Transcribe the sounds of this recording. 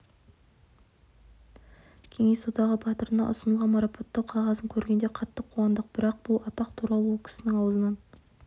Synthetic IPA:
kʲʰe̞ŋe̞sod̪ɑʁəbʰɑt̪əɾənɑ̰ʔʊ̰sənəlˠʁɑnmɑɾɑpʰo̞t̪ːəqʰɑʁɑzəŋkʲʰɵɾɡʲe̞nd̪e̞qʰɑt̪ːəqʰːuɑnd̪əq̚bɪɾɑq̚b̥ʊlˠɑt̪ɑqt̪ʰuɾɑlˠəwokʲʰʏ̥sɪnɪŋɑwəzənɑn

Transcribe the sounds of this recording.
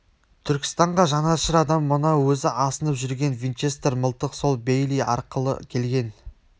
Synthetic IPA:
t̪ʰʏɾkʲɪ̥st̪ɑɴʁɑʒɑnɑʃəɾɑd̪ɑmːʊnɑwɵzɪʔɑsənəpʒʏɾɡʲe̞nvʲijnt͡ʃe̞st̪rməlˠt̪əqso̞lˠbejlijɑ̰ɾqəlˠə̰kʲʰe̞lɡʲe̞n

